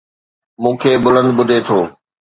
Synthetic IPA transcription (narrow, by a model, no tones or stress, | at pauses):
mũːkʰeːbʊlə̃nd̪̚ɓʊd̪ʱet̪ʰoː